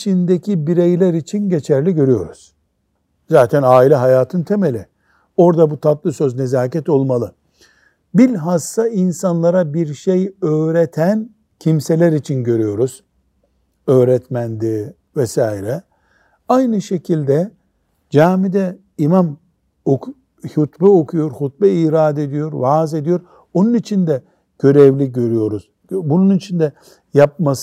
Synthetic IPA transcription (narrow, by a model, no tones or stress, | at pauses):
t͡ʃʰind̪ecʰibiɾejlʲæɾit͡ʃʰinɟe̞t͡ʃʰæɾlʲiɟø̞ɾyjo̞̰ɾuz̥ | zaːt̪ʰænaːilʲɛɦajaːt̪ʰɯnt̪ʰe̞me̞lʲi | o̞ɾd̪abut̪ʰat̪lˠɯsøzne̞zaːcɛt̪o̞lˠmalˠɯ | bilʲɦasːainsanlˠaɾabiɾʃejøːɾet̪ʰæn | cʰimse̞lʲæɾit͡ʃʰinɟø̞ɾyjo̞ɾuz̥ | øːɾɛt̪mænd̪iː | vɛsaːiɾɛ | ajnɯʃe̞cʰilʲd̪ɛ | d͡ʒaːmid̪ɛ | imam | ok | hut̪bɯokʰujo̞ɾhut̪̚bɛiːɾaːd̪ed̪ijo̞ɾvaːze̞d̪ijo̞ɾ | onunit͡ʃʰind̪ɛ | ɟ̥ø̞ɾɛvlʲiɟø̞ɾyjo̞ɾuz̥ | bununit͡ʃʰind̪ɛ | jap̚mas